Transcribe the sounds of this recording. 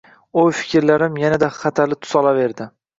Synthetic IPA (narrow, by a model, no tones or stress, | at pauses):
ʊfɪ̥kʲʰɾlaɾɪmjanad̪aχɑt̪ʰalɪt̪ʰʊ̥sɒlave̞ɾd̪ɪ